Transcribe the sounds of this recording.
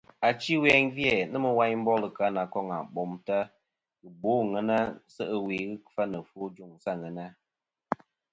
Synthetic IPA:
a˨t͡ʃi˦wɛ˦nvjɛ˦˨nə˦mə˨wa˦ɲm̩˦bɔ˦lə˨ka˦na˨kɔ˦ŋa̰˨ɓɔ˨mta˦ | ɣɨ˨bo˦ŋə˦na˦sə˦ʔə˦we˨ɣɨ˦kfa˦nə˨fo˦d͡ʒu˦˨ŋsa˦˨ŋɛ˨na˦

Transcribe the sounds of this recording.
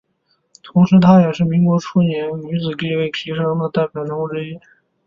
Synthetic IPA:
t̪ʰʊ˧˥ŋʂɻ̩˧˥t̪ʰa˥jɛ˨˩ʂɻ̩˥˩mi˧˥ŋkwɔ˧˥ʈ͡ʂʰu˥njɛ˧˥nny˧˥t͡sɹ̩˨˩ki˥˧ɪwe˥˩ɪkʰi˧˥ʂɑ˥ŋd̪ə˨t̪a˥˩ɪpjɑ˨˩ʊnʊ˧˥ŋʈ͡ʂɻ̩˥i˥

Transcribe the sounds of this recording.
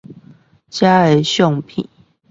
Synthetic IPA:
t͡ɕja˦e˨˧˦ɕjɔ˥˨ŋpʰḭ˨˩˦

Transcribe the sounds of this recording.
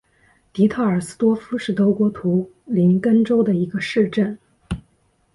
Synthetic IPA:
t̪i˧˥t̪ʰa˥˩ə˞˨˩s̩˥t̪wɔ˥fu˥ʂɻ̩˥˩t̪o˧˥kwɔ˧˥t̪ʰu˧˥ | li˧˥nkə˥nʈ͡ʂo˥ʊd̪ə˨i˧˥ɡə˧ʂɻ̩˥˧ʈ͡ʂə˥˩n

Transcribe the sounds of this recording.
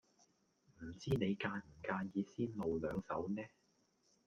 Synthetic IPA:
m̩˨˩t͡siː˥ne˨˧jkaː˧nm̩˨˩kaː˧njiː˨˧siː˥nlo˨wlœː˨˧ŋsɐ̰˨˥wnɛː˥

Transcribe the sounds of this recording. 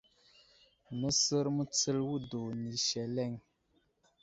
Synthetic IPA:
nə˦sə˦ɾmə˦t͡sə˦lwu˦do˨ni˨ʃɛ˨lɛ˦˨ŋ

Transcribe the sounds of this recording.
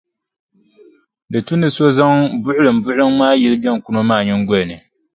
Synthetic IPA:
dɨ˨tu˦nɨ˨so˦za˦ŋbʊ˦ʔʊ˦lɨ˨m˨bʊ˦ɨ˦ŋmaː˦ji˦lɨ˦d͡ʒa˦ŋ˨ku˨no˦maː˦˨ɲɪ˦ŋɡʷʊ˦lɨ˨nɨ˨

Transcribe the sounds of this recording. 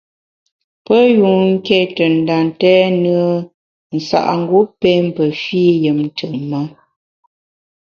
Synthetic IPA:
pə˦ju˨ŋ̩˦ke˦tə˨n̩˨da˨ntɛ˦nə˦ə˦ | n̩˨sa̰˨ʔŋ̩˦˨ɡu˦pe˦m̩˦pə˨fi˦jə˨mn˦tə˨mə˦

